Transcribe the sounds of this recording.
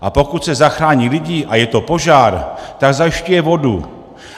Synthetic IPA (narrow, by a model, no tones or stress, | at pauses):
ʔapo̞kut̪sɛzaxɾaːɲilɪɟiːʔajɛt̪o̞po̞ʒaːɾt̪aɡzajɪʃcujɛvo̞dṵ